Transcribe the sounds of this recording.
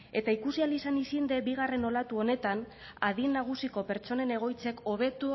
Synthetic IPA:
e̞t̪aikusialisanisind̪e̞biɣ̞are̞no̞lat̪uo̞ne̞t̪an | aðinːaɣ̞usiko̞pe̞ɾt͡ʃo̞ne̞ne̞ɣ̞o̞jt͡se̞ko̞βe̞t̪u

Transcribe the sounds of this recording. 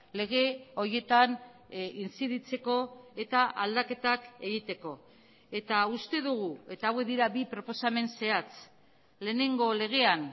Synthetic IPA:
le̞ɣ̞e̞o̞ɾje̞t̪an | int͡siðit͡se̞ko̞e̞t̪aʔald̪ake̞t̪ake̞ɣit̪e̞ko̞ | e̞t̪aust̪e̞ðuɣ̞ue̞t̪aːwekðiɾabipɾo̞po̞same̞nse̞at͡s | le̞ːne̞ŋɡo̞le̞ɣ̞e̞an

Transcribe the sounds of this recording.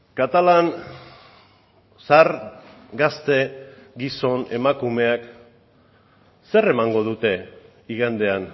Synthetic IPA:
kat̪alan | saɾ | ɡast̪e̞ɡiso̞ne̞makume̞ak | se̞re̞maŋɡo̞ð̞ut̪e̞ | iɣand̪e̞an

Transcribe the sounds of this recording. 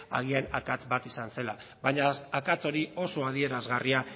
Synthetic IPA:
a̰ɣ̞ianakat͡sbat̪isanse̞la | βaɲasakat͡so̞ɾio̞so̞að̞ie̞ɾazɣaria

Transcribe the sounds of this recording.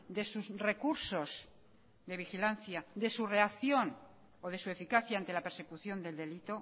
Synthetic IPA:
d̪e̞susre̞kuɾso̞z | d̪e̞β̞ixilanθjad̪e̞sure̞akθjo̞n | oð̞e̞sue̞fikaθjaant̪e̞lape̞ɾse̞kuθjo̞nd̪e̞ld̪e̞lit̪o̞

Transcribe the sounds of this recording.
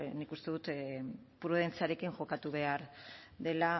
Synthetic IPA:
nikust̪e̞ðut̪pɾuð̞e̞nt͡siaɾe̞kiŋʝo̞kat̪uβ̞e̞aɾðe̞la

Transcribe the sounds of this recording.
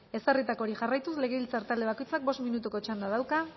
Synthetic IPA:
e̞sarit̪ako̞ɾixarajt̪usle̞ɣ̞e̞βilt͡saɾt̪ald̪e̞ako̞jt͡sak̚bo̞st̪minut̪uko̞t͡ʃand̪að̞awka

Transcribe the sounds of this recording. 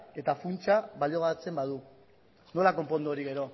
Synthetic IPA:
e̞t̪afunt͡ʃaβalio̞ɣaat͡se̞mbað̞u | no̞lako̞mpo̞nd̪uoɾiɣe̞ɾo̞

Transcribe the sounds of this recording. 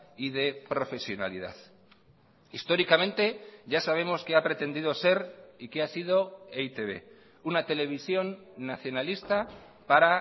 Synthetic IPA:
ið̞e̞pɾo̞fe̞sjo̞na̰liða̰ð | ist̪o̞ɾikamẽ̞nt̪e̞ʝasaβ̞e̞mo̞skeapɾe̞t̪e̞nd̪ið̞o̞se̞ɾikeasið̞o̞eit̪e̞βe̞̰ | unat̪e̞le̞β̞isjo̞nːaθjo̞nalist̪a | paɾa

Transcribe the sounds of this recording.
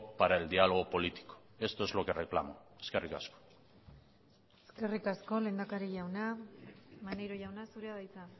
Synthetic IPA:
paɾaeld̪ialo̞ɣ̞o̞po̞lit̪i̥ko̥ | e̞st̪oezlokerekla̰moeskerika̰sko̥ | eske̞rikasko̞le̞ːnd̪akaɾiʝawna | mane̞jɾoʝawnasuɾeaðajt͡sa

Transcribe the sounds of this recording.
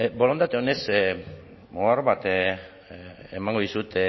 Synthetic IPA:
bo̞lo̞nt̪at̪eones | moarβat̪ | emaŋɡoðisut̪e

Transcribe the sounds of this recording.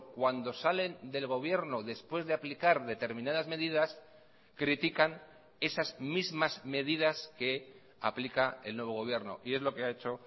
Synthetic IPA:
kwand̪o̞sale̞nd̪e̞lɣ̞o̞β̞je̞ɾno̞ðe̞spwe̞zðe̞aplikaɾðe̞t̪e̞ɾmĩnaðazme̞ð̞iðas | kɾit̪ikan | e̞sazmizmazme̞ð̞ið̞aske̞ | a̰plikae̞lnwe̞β̞o̞ɣo̞β̞je̞ɾno̞̰ʔie̞zlo̞ke̞ae̞t͡ʃo̞

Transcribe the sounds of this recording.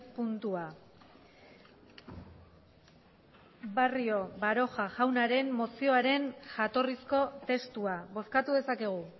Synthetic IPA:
punt̪ua | bario̞baɾo̞xaʝawnaɾe̞mːo̞sio̞aɾe̞nʝat̪o̞risko̞t̪e̞st̪uaβo̞skat̪uðe̞sake̞ɣ̞u

